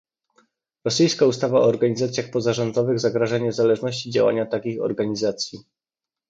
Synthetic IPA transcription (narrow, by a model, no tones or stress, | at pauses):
ɾɔsɘjskaust̪avaɔːɾɡaɲizat̪sʲjaxpɔzaʐɔnd̪ɔvɘɣzaɡɾaʐaɲɛzalɛʐnɔɕt͡ɕid͡ʑa̰wa̰ɲat̪akʲixɔ̰ɾɡaɲizat̪sʲji